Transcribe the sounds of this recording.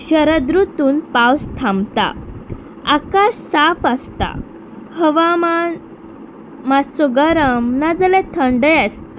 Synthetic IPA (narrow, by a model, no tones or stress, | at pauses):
ɕəɾəd̪ɾut̪uːnpawst̪ʰãmbt̪a̰ | akaɕsafəst̪a̰ | həʋama | masuɡaɾəmnad͡zəlɛ̃t̪ʰəɳɖəjast̪a